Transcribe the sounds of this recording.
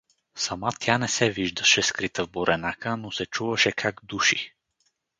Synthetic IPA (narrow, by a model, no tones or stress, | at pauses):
sɐmat̪ʰʲjanɛsɛviʒd̪əʃɛskɾit̪əvboɾʔɛnakənosɛt͡ʃuvəʃɛkʰaɡd̪uʃḭ